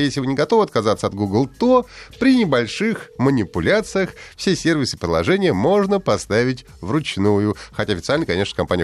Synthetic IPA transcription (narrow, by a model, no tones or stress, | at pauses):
jesʲlʲɪvɨnʲɪɡɐt̪o̞vəɐt̪kɐzat̪səɐt̪ɡuɡlˠt̪opɾʲɪnʲɪbɐlʲʂɨxmənʲɪpʊlʲat̪sɨjəxfsʲesʲervʲɪsɨ̥pɾʲɪlˠɐ̰ʐɛnʲɪjəmo̞ʐnəpɐst̪avʲɪtʲ | vrʊt͡ɕnujʊxɐtʲaɐfʲɪt̪salʲnəjkɐnʲe̞ʂnəkɐmpanʲɪə